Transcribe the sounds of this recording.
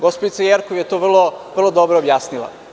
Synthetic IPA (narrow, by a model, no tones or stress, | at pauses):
ɡospod̪it̪sajeɾkoʋjet̪oʋr̩lˠoʋr̩lˠod̪obɾoːbjaːsnilˠa̰